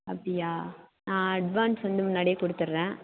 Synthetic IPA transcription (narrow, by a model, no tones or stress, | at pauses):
ɐpɽɪjaːnãːɐɖʋaːnsʋɐnd̪ɯmʊnːaːɽɪjeːkɔɽɯt̪ːɯɾɾẽː